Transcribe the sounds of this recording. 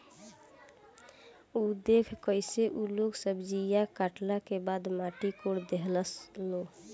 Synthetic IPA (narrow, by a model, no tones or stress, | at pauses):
ud̪ekʰkəɪseʔuloksəbd͡ʒijakaʈlakebad̪maʈikoɽd̪eɦləslo